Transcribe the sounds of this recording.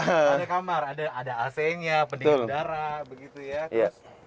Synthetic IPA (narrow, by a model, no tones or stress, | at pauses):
adakamaradaːdaːsɛɲapəndit̪ʊldaɾabəɡit̪ujaja